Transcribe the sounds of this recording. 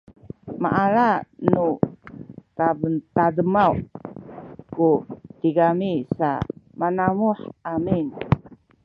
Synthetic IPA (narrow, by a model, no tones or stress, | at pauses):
ma̰ʔaɾanu | kabənt̪adəmau | kut̪iɡamisa̰manamuħamin